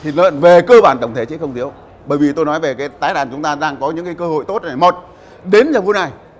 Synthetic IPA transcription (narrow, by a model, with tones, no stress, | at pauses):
t̪ʰi˨˩lə̰ː˧˨nve˨˩kəː˧ɓaː˧˩nt̪ə˧˩wŋ͡mt̪ʰe˧˩t͡ɕḭ˧˥kxə˧wŋ͡mt̪i˨˦əw | ɓəː˧˩jvi˨˩t̪o˧jnɔ˨˦jve˨˩kaː˨˦jt̪aː˨˦jɗa̰ː˨˩nt͡ɕʊ˨˦ŋ͡mt̪aː˧ɗaː˧ŋkɔ˨˦ɲɨ̰˧˥ŋkaː˨˦jkəː˧ho̰˧˨jt̪o˦˥t̚naː˨˩jmə˨˩t̚ | ɗe˨˦nzaː˧˩vu˨˦na˨˩j